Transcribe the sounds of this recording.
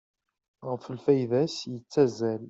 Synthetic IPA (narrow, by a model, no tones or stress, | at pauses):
ʁəfəlfæjðæsjət͡sːæzːæl